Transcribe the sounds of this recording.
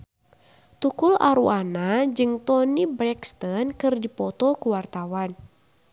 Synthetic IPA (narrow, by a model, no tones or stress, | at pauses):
t̪ukulʔa̰ɾuʔanad͡ʒɨŋt̪ɔnibɾɛkst̪ɔnkɨrdipɔt̪ɔkuwart̪awan